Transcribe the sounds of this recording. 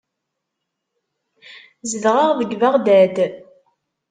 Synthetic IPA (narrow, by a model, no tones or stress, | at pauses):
zəðʁaʁðəɡvaʁd̪æd̪